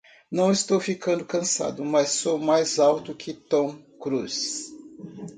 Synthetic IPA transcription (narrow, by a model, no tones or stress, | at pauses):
nɐ̃w̃ɪst̪owfikɐ̃nd̪ʊkɐ̃sa̰d̪ʊmɐsːowmajzawt̪ʊkʰɪt̪õkɾus